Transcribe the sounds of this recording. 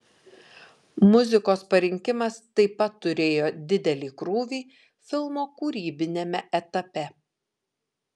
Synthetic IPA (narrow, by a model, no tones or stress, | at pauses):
mʊzʲɪkoːspɐɾʲɪŋʲkʲɪmɐst̪ɐɪpɐt̪ːʊɾʲeːjoːd̪ʲɪd̪ʲɛlʲiːkɾuːʋʲiː | fʲɪlˠmoːkuːɾʲiːbʲɪnʲemʲɛʔɛt̪ɐpʲɛ